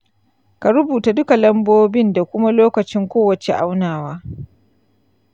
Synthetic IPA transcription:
ka˨ɾʊ˦buː˨ta˨dʊ˦ka˨lɐ˦mboː˦bɪ˦nda˨kʷʊ˦ma˦loː˦kɐ˨t͡ʃɪ˦ŋkʷoː˦wɐ˨t͡ʃɛ̰˨ʔa̰˦wnaː˨waː˦

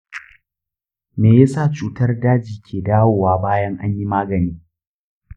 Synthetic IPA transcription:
meː˨ja˦saː˦˨t͡ʃuː˨tɐ˦rdaː˦d͡ʒiː˨kʲʰeː˨daː˦woː˨waː˦baː˦jɐ˦ŋʔa˦ɲji˦maː˦ɡɐ˨niː˦

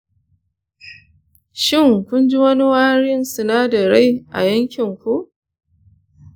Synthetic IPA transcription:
ʃɪ˦˨ŋkʷʊ˦nd͡ʒi˦wɐ˦ni˦waː˦ɽɪ˦nsɪ˨naː˦da˨ɾa˦˨jʔa̰˨jɐ˦ŋkʲɪ˨ŋkʷu˦ʔ

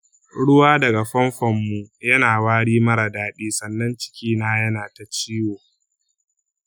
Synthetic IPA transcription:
ɽʊ˦waː˦dɐ˨ɡa˨ɸɐ˦mɸɔ˨mːu˨jɐ˦naː˨waː˦ɽiː˦mɐ˦ɽa˨daː˦ɗiː˦sɐ˨nːɐ˦nt͡ʃɪ̥˦kʲiː˦naː˦jɐ˦naː˨ta˨t͡ʃiː˦woː˨

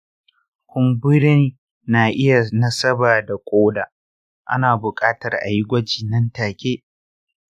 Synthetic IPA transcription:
kʷʊ˨mbʊ˦ɾɪ˦nː | aː˨ʔɪ˦ja˨nɐ˦sɐ˦baː˨da˨kʷʼoː˦daː˨ | ʔa̰˦naː˨bʊ˨kʼaː˦tɐ˨rʔa̰˨ji˦ɡʷɐ˦d͡ʒiː˨nɐ˦ntaː˨kʲeː˦

